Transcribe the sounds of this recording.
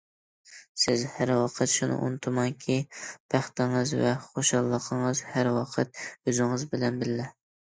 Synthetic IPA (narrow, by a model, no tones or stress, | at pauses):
sɪzhæɾwɑqʰət̪ʃunɨ̰ʔṵnɨt̪ʰumɑŋkʲʰib̥ʰæχt̪ɪŋɨzvɛχoʃɑlˠːəqʰəɴəzhæɾwɑqʰət̪̚øzɪŋɨzbɪlɛnbɪllɛ